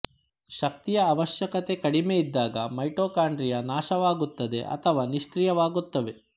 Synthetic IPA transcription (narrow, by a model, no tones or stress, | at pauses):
ʃɐkt̪ijɐːʋɐʃjɐkɐt̪e̞kɐɽimeid̪ːaːɡɐmɐjʈoːkaːɳɖɾijɐnaːʃɐʋaːɡut̪ːɐd̪e̞̰ʔɐ̰t̪ʰɐʋaːniʃkɾijɐʋaːɡut̪ːɐʋe̞